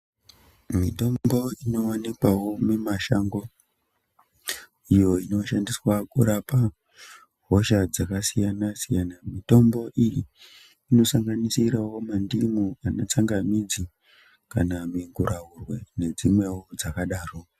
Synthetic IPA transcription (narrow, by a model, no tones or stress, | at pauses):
mito̞mbo̞ino̞wanikwawo̞memaʃaŋɡo̞ | ijo̞ino̞ʃandiswakuɾapa | ɦo̞ʃad͡zakasijanasijanamito̞mbo̞ʔijiː | no̞saŋɡanisiɾawo̞mandimuanot͡saŋɡamid͡zi | kanamiŋɡuraɦurwene̞d͡zimwe̞wod͡zakaɗaːro